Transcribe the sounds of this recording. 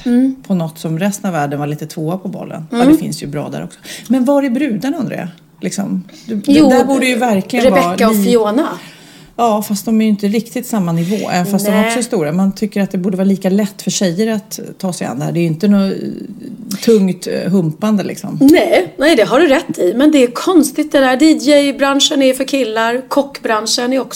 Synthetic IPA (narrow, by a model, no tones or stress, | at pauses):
pʰɔnɔt̪ːsɔmɾɛst̪ənavæːɖənvaliːt̪ət̪ʰvoːapʰɔbɔ̰lːə̰nɔd̪ɛɛfɪ̰nsjɵbɾɑ̰ːd̪æ̰ɾɔ̰ksɔ̥mɛnvaɾɛbɾʉ̟ːd̪anand̪ɾḛːa | lɪksɔ̰m | d̪ːd̪æbuːɖəjɵvæɾklɪɡəɾɛvɛːaɔfɪoːna | ɑːfast̪̚d̪ɔmæɾjʏɪnt̪əɾɪkt̪ɪt̪samːanɪvo̰ːɛ̰vɛnfast̪d̪ɔmɾksɔst̪uːɾamant̪ʰʏkːəɾat̪̚d̪ɛbuːɖəvɑːɾliːkalɛt̪ːfœʂɛjːəɾat̪ʰːɑːsɛja̰nd̪ɛhæːɖɛːɾjɪnt̪ənɔ | t̪ʰɵŋt̪ɦɵmpand̪əlɪ̰ksɔ̰mnnɛjnɛɪd̪ɛɦaɖɵɾɛt̪ʰːɪmɛnd̪ɛæɾkʰɔnst̪ɪt̪d̪ɛd̪æːɖ̪iːd̪d͡ʒɛjbɾanʂənæfœɾkʰɪlːaɾkʰɔkːbɾanʂənɛɾɔk